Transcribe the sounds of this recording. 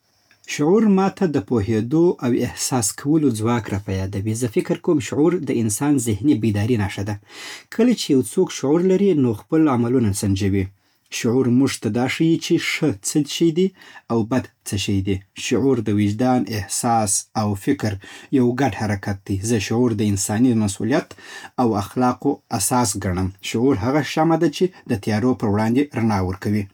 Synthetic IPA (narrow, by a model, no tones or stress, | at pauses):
ʃʊʕuɾmɑt̪ʰad̪əpohed̪oʔawɪhsɑskʰawəlod͡zwɑkɾɑpajɑd̪awizəfɪkɾkowmʃʊʕuɾd̪əɪnsɑnzɪhnibid̪ɑɾinɑʂad̪akʰəlat͡ʃejawt͡sokʃʊʕuɾlaɾinoxpəlamalunasand͡ʒawi | ʃʊʕuɾmuʐt̪ad̪ɑʂəjit͡ʃeʂət͡səʃəjd̪iawbad̪ | t͡səʃəjd̪iʃʊʕuɾd̪əwɪd͡ʒd̪ɑnɪhsɑsawfɪkɾjawɡaɖhaɾakat̪̚d̪ijzəʃʊʕuɾd̪əɪnsɑnimasṵlijat̪awaxlɑqoasɑsɡaɳ̃əmʃʊʕuɾɦaɣaʃamad̪at͡ʃed̪̥ət̪ajɑɾopəɾwɽɑnd̪eɾanɑwəɾkawi